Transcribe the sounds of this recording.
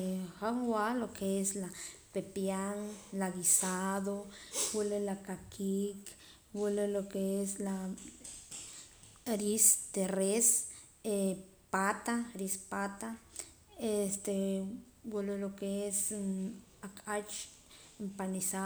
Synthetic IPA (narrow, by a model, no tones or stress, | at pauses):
haŋwalokeeslapepjaŋlaɣisaðowelelakakʰik | welelokeesla | ɾist̪eres | e | pat̪aɾispat̪a | est̪e | welelokees | akʼat͡ʃ | empanisa